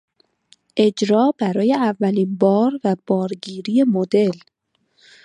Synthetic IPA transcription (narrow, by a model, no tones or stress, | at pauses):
ʔe̞d͡ʒɾɒːbæɾɒːje̞ævːæliːnbɒːɾvæb̥ɒːɾɟiːɾije̞mo̞d̪e̞l